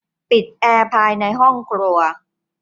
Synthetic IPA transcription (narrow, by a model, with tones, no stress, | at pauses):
pi˨˩t̪̚ʔɛː˧pʰaː˧jna˧jɦɔ˥˩ŋkʰɾuː˧ɐ